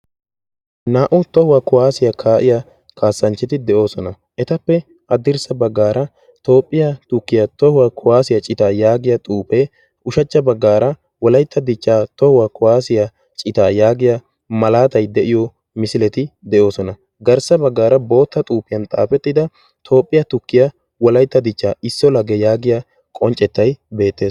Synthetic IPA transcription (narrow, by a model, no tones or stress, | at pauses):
naːʔʊt̪ɔhʊwɐkʊwaːsɪjɐkʰaːʔɪjɐ | kʰaːsːɐnt͡ʃːɪt̪ɪd̪ɛʔo̞ːsɔnɐ | ʔɛt̪ɐpːɛ | ɐd̪ɪɾsɐbɐɡːaːɾɐ | t̪o̞ːpʼːɪjɐt̪ʊkːɪjɐt̪ɔhʊwɐkʰʊwaːsɪjɐt͡ʃʼɪt̪aːjaːɡɪjɐt̪ʼuːpe | ʔʊʃɐt͡ʃːɐbɐɡːaːɾɐ | wɔlɐjt̪ːɐd̪ɪt͡ʃːaːt̪ɔhʊwɐkʊwaːsɪjɐ | t͡ʃʼɪt̪aːjaːɡɪjɐ | mɐlaːt̪ɐjd̪ɛʔɪjɔ | mɪsɪlɛt̪ɪd̪ɛʔo̞ːsɔnɐ | ɡɐɾsɐbɐɡːaːɾɐbo̞ːt̪ːɐt̪ʼuːpːɪjɐnt̪ʼa̰ːfɛt̪ːɪd̪ɐ | t̪ʰo̞ːpʼːɪjɐt̪ʊkːɪjɐ | wɔlɐjt̪ːɐd̪ɪt͡ʃːaːɪsːɔlɐɡɛjaːɡɪja | kʼɔnt͡ʃʼːɛt̪ːɐjbe̞ːt̪ːe̞ːs